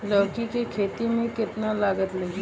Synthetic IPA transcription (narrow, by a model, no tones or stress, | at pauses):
lɐʋkikikʰeːt̪imẽkɪt̪nalaːɡət̪lɐɡi